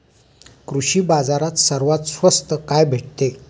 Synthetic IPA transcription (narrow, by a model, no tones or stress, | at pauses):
kɾuɕiːbad͡zaɾat̪səɾʋat̪sʋəst̪əkajbʱeʈ̚t̪e